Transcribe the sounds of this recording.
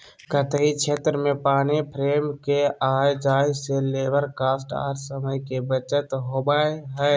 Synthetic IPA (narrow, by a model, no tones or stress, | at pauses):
kət̪əɦit͡ʃʰet̪ɾəmẽpaːnipʰɾemkeaːjd͡ʒajselebəɾkaːsʈa̰ːɾsəməjkebət͡ʃət̪ɦobaeɦəj